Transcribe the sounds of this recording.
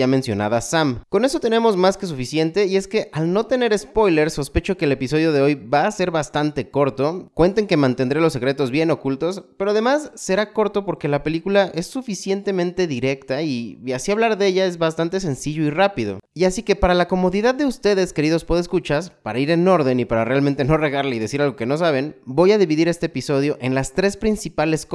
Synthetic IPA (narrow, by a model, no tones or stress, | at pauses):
amensjo̞̰na̰ðasamko̞neso̞t̪e̞ne̞mo̞zmaske̞s̬ufisje̞nt̪e̞ie̞ske̞ʔalno̞t̪e̞ne̞ɾe̞spo̞jle̞ɾso̞spe̞t͡ʃo̞keːlepiso̞ð̞jo̞ð̞e̞o̞jβaːse̞ɾβast̪ant̪e̞ko̞ɾt̪o̞kwe̞nt̪e̞ŋke̞mãnt̪e̞nd̪ɾelo̞sːe̞kɾe̞t̪o̞zβje̞no̞kult̪o̞spe̞ɾo̞að̞e̞masːe̞ɾako̞ɾt̪o̞po̞ɾke̞lape̞likulaʔe̞sːufisje̞nt̪e̞mẽnt̪e̞ðiɾe̞kt̪aiasiaβlaɾðe̞ʝae̞zβast̪ant̪e̞se̞nsiʝo̞irapiðo̞̰iasike̞paɾalako̞mo̞ðiðaðːe̞ust̪e̞ðe̞ske̞ɾið̞o̞spoðeskut͡ʃaspaɾaiɾe̞no̞ɾðe̞nipaɾare̞alment̪e̞no̞re̞ɣaɾleiðe̞siɾalɣoke̞no̞s̬aβ̞e̞nbo̞jaðiβiðiɾe̞st̪eːpiso̞ð̞jo̞ʔe̞nlast̪ɾe̞spɾinsipale̞sk